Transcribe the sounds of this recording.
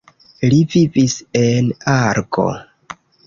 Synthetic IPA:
livivise̞naɾko̞̰

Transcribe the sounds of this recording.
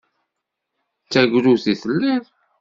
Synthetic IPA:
t͡sːæɡʷɾuθiθəlːið

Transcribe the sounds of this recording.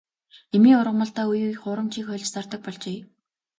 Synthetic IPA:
emiːʊɾʁə̆mə̆ɬt̪aːujuχʊːɾə̆mt͡ɕʰiːkχœːɮʲt͡ɕst͡sart̪ə̆k̚pɔɮt͡ɕeː

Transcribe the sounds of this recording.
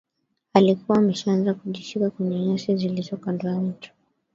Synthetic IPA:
alikuwaːmɛʃaanzakuʄiʃikakwɛɲɛɲasizilizɔkandwaɲ̩tu̥

